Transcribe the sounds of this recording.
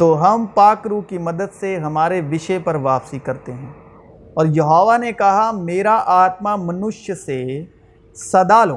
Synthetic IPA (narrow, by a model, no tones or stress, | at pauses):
t̪oːɦɐmpaːkɾuːkimɐd̪əd̪seɦɐmaːɾeʋɪʃepɐɾʋaːpsikɐɾt̪eɦɛ̃ː | ɔːɾjɐɦoːʋanekɐɦameːɾaʔaːt̪mamɐnʊʃjəse | sɐd̪aːloː